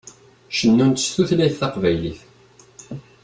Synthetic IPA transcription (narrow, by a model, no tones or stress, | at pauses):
ʃənːunt̪st̪uθlæjθːɑqvæjliθ